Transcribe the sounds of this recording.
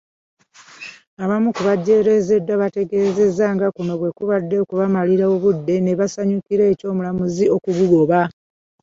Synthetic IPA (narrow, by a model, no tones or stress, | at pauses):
aβamukuβaɟːe̞ɾe̞ze̞dːwaβate̞ɡe̞ːze̞zaːŋɡakuno̞βwe̞kuβadːe̞okuβamaliɾaoβudːe̞ne̞βasaɲukiɾe̞ːco̞ːmulamuzio̞kuɡuɡo̞βa